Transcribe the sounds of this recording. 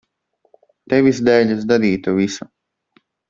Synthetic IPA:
t̪evʲisd̪ɛːʎʲɨsd̪ad̪iːt̪uvʲisu

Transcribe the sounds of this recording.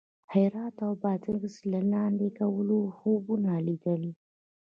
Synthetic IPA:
hajɾɑt̪awbɑt̪əɡslalɑnd̪ekawəloxobunalid̪əli

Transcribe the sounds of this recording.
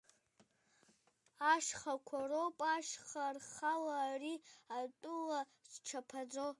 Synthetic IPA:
aʂχakʷʰaropʼaʃχarχalaːriatʼʊla | ʈ͡ʂʰapʰad͡zo

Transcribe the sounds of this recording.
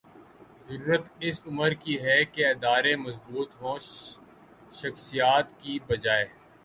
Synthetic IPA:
zɐɾuːɾət̪ɪsʊməɾkiɦɛkeɪd̪aːɾemɐsbuːt̪ɦõː | ʃɐxsijaːt̪kibɐd͡ʒaːeː

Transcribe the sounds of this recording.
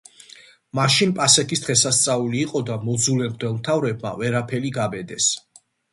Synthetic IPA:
maʃinpʼasɛk̪ʰisd̪̥ʁɛsast̪sʼauliːqʼɔd̪amɔd̪zulɛɾd̪wɛlˠmt̪ʰavɾɛb̚ma̰vɛɾapʰɛliɡabɛd̪ɛs

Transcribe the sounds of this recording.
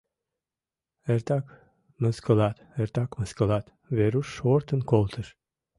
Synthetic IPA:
eɾt̪ɑk | məskəlɑt̪eɾt̪ɑkməskəlɑt̪ | veɾuʃːoɾt̪ənkolˠt̪ʰəʃ

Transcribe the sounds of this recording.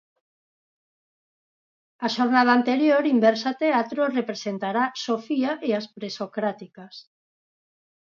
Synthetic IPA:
aʃoɾnað̞aːnt̪eɾjoɾimbɛɾsat̪eat̪ɾorepɾesent̪aɾasofiaʔeaspɾesokɾat̪ikas

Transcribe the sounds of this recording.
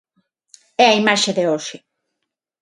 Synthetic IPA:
ɛɐimaʃeðeoʃɪ

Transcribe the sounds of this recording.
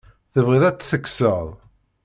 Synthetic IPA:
θəvʁiðˤæt͡sːθəkːsəðˤ

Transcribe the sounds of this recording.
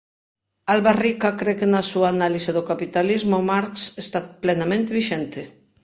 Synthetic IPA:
alβarikakɾekenasuaːnaliseðokapit̪alizmomaɾksest̪aplenamẽnt̪eβiʃɛnt̪e

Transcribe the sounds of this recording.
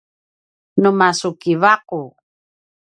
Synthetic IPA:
numasukivaqu

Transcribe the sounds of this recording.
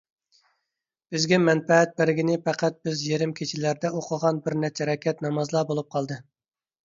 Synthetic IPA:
b̥ɪzɡʲɛmɛnpɛɛt̪̚bæɾɪɡʲinɪpæqʰæt̪̚bɪzjeɾɪmkʲʰet͡ʃʰɪlæɾd̪ɛoqʰəʁɑnbɪɾnɛt͡ʃʰːɛɾɛkʲɛt̪nɑmɑzlˠɑːbolˠup̚qʰɑlˠd̪ɨ

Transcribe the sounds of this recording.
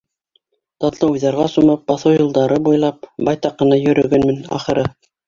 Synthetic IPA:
t̪ɑt̪lˠɤujðɑɾʁɑsumɤp̚bɑθowjɤ̆lˠd̪ɑɾɤbujlˠɑp̚bɑjt̪ɑqːɤ̆nɑjɵ̆ɾɵ̆ɡɘnmɘnɑ̰χɤ̆ɾɤ

